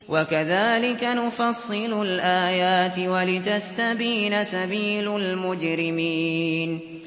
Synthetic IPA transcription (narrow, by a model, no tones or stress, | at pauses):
wʔakaðaːlɪkanʊfɑsˤːɨlʊlʔaːjaːt̪ɪwalɪt̪ast̪abiːnasabiːlalmʊd͡ʒɾɪmiːn